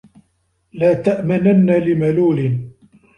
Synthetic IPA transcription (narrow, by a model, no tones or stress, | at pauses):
laːt̪aʔmananːalɪmaluːlɪn